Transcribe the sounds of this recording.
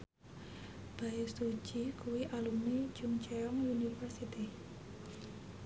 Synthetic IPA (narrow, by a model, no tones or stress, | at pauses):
b̥aɪsu̥d͡ʒ̥i̤kuwiʔalumni̥t͡ʃuŋt͡ʃɛɔŋjunifərsit̪i